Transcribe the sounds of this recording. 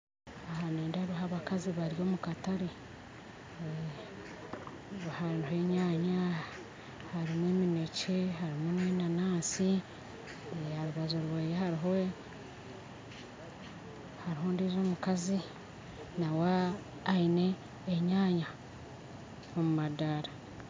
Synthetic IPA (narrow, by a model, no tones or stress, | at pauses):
ahaneːndaɾuɦaβakaziβaɾjo̞ːmukataɾi | βhanuhe̞ɲaːɲa | haɾimweːmineceɦaɾimunwenanaːsi | haɾuβazoɾweːjehaɾiɦo | haɾiɦondiːzoːmukazi | naweː | ine̞ː | ɲaːɲa | omumadaɾa